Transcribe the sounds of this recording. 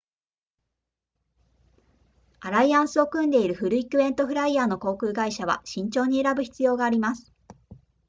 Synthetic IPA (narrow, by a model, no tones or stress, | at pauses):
aɾaiãɰ̃sɨo̞kɯ̟̃nd̪e̞iɾɯ̟ɸɯ̟ɾɯ̟ikɯ̟βẽ̞nt̪oɸɯ̟ɾaiaːno̞ko̞ːkɯ̟ːɡaiɕaβ̞a̰ɕĩɲ̟t͡ɕo̞ːɲ̟ie̞ɾabɯ̟çi̥t͡sɨjo̞ːɡaːɾʲimasɨ̥